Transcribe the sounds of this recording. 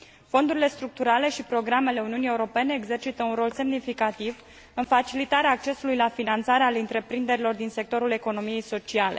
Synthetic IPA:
fo̞nd̪uɾile̞st̪ɾuk̚t̪uɾale̞ʃipɾo̞ɡɾame̞le̞uniunije̞uɾo̞pe̞ne̞ːɡze̞rt͡ʃit̪əunɾo̞lse̞mnifikat̪iv | ɨnfat͡ʃilit̪aɾeaːk̚t͡ʃe̞sulujlafinant̪saɾealɨnt̪ɾe̞pɾind̪e̞ɾilo̞rd̪inse̞k̚t̪o̞ɾule̞ko̞no̞mije̞jso̞t͡ʃiale̞̰

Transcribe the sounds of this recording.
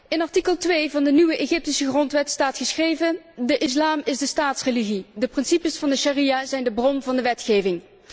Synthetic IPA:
ɪnɑɹtikəlˠtʋejvɑndənyʋəʔeːχɪp̚tisəχrɔntʋɛtstaːtχəsxrejvəndəʔɪs̬laːmɪzdəstaːtsreliɣidəprɪnsipəsfɑndəʃarijaːzɛjndəbrɔmvɑndəʋɛtxeːjvɪŋ

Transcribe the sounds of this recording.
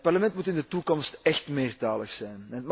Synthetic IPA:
t̚pɑrləmɛntmutɪndətukɔmstɛxtmeːrtaːləxsɛjnɛnətm

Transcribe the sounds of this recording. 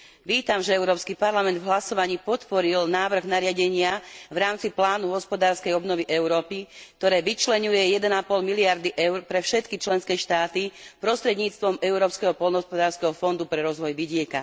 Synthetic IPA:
ʋiːt̪amʒɛɛʊɾɔːpskipaɾlamɛnd̪vɦlasɔʋaɲiːpɔt̪pɔɾilnaːʋr̩ɣnaɾɪaɟɛɲɪaʋɾaːmt͡siplaːnuɦɔspɔd̪aːɾskɛjɔbnɔʋiʔɛʊɾɔːpikt̪ɔɾɛːʋit͡ʃlɛɲujɛjɛd̪ɛnapɔlmiliaɾd̪iʔɛʊɾpɾɛfʃɛt̪kit͡ʃlɛnskɛːʃt̪aːt̪ipɾɔst̪ɾɛd̪ɲiːt͡st̪ʋɔmɛʊɾɔːpskɛɦɔpɔlˠnɔɦɔspɔd̪aːɾskɛɦɔfɔnd̪upɾɛɾɔzʋɔjʋiɟɪɛka

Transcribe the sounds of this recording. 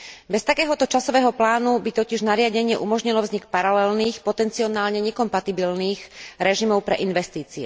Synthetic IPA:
bɛst̪akɛːɦɔt̪ɔt͡ʃasɔʋɛːɦɔplaːnubit̪ɔciʒnaɾɪaɟɛɲɪɛʔumɔʒɲilɔvzɲikpaɾalɛlniːxpɔt̪ɛnt͡siɔnaːlɲɛɲɛkɔmpat̪ibilniːxɾɛʒimɔʊpɾɛʔinʋɛst̪iːt͡siɛ̰

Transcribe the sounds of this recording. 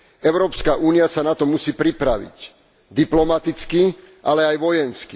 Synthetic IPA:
ɛʊɾɔːpskaʔuːniasanat̪ɔmusiːpɾipɾaʋḭc | d̪iplɔmat̪it͡ski | ʔalɛajʋɔjɛnski

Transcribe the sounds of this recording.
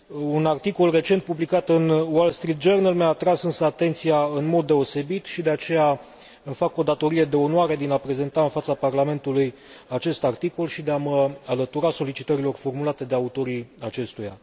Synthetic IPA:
unart̪iko̞lre̞t͡ʃe̞nt̪̚publikat̪ɨnwolst̪ɾit̪̚d͡ʒernalmeaːt̪ɾasɨnsəat̪e̞nt̪sijaɨnmo̞d̪ːe̞o̞se̞bit̪ʃid̪e̞at͡ʃe̞ja | ɨmfako̞d̪at̪o̞ɾije̞d̪e̞o̞nwaɾe̞d̪inapɾe̞ze̞nt̪aɨnfat̪saparlame̞nt̪uluj | at͡ʃe̞st̪art̪iko̞lʃid̪e̞aməalət̪uɾaso̞lit͡ʃit̪əɾilo̞rfo̞rmulat̪e̞d̪e̞aut̪o̞ɾiat͡ʃe̞st̪uja̰

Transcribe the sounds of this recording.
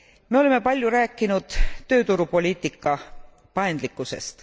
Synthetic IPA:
me̞o̞le̞me̞pɑlʲjuɾæːkːˑinud̪̥t̪ːø̞ːt̪uɾupo̞lʲiːt̪ˑikːˑɑ | pɑend̪̥likːˑuse̞̰st̪

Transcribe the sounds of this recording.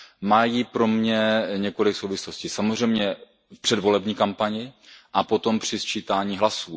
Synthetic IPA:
majiːpɾo̞mɲɛɲɛko̞lɪksowvɪslo̞sciːsamozr̝ɛjmɲɛ | fpr̝̥ɛdvo̞lɛbɲiːkampaɲɪʔapo̞t̪o̞mpr̝̥ɪst͡ʃiːt̪aːɲiːɦlasuː

